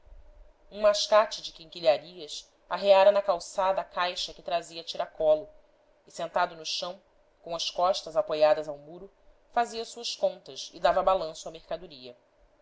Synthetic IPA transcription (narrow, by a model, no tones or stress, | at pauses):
ũmaʃkat͡ʃɪd͡ʒɪkĩŋkiʎaɾiɐs | aɦeaɾɐnɐkawsad̪ɐːkajʃɐkɪt̪ɾaziɐt͡ʃiɾakɔlʊ | ɪsẽnt̪ad̪ʊnʊʃɐ̃w̃ | kõɐʃkɔʃt̪ɐzapojad̪ɐzawmuɾʊ | faziɐsuɐskõnt̪ɐsɪd̪avɐbalɐ̃sʊamehkad̪uɾiɐ